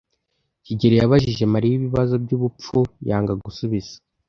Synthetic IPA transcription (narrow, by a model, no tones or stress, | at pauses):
ciɟeɾejaβaʒiʒe̞maɾijiβiβazo̞bɟuβup͡fujaːŋɡaɡusuβiz̥ḁ